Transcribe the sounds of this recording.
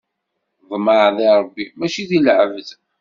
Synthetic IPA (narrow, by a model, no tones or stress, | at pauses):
ðˤməʕðˤiɾˤəbːimæt͡ʃiðilʕəvəθ